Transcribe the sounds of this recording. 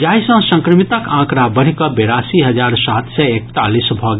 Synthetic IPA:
d͡ʒaɦisə̃sə̃ŋkɾəmit̪əkãkɾabəɽ̤ikɔbeɾasiɦəd͡ʒaɾsat̪sɛekt̪alisbʱɔɡ

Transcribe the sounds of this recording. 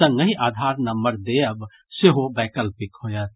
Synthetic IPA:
ə̃ŋɡəɦĩʔaːd̪ʱaːɾnəmbəɾd̪eəb | seɦobɛːkəlpɪkhojət̪

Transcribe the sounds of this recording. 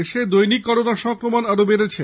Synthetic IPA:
eʃed̪ojnikːɔɾonaʃɔŋkɾomanaɾobeɾet͡ɕʰe

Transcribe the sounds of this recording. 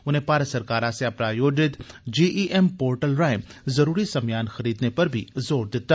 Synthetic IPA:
ʊnɦẽpaːɾəsɐɾkaːɾãseɐpɾajoːd͡ʒɪt̪d͡ʒiːʔiʔɛmpoːɾʈəlɾaːɪmzɐɾuːɾisɐmjaːnxɐɾiːd̪nepɐɾbʱḭzoːɾd̪ɪt̪ːaː

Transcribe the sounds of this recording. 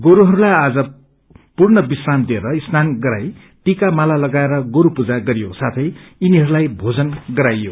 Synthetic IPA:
ɡoɾuɦʌɾulajad͡zʌ | purnʌbisramd̪ieɾʌisnanɡʌɾaj | ʈikamalalʌɡaeɾʌɡoɾupud͡zaɡʌɾijosat̪ʰʌjiniɦʌɾulajbʱod͡zʌnɡʌɾajːo

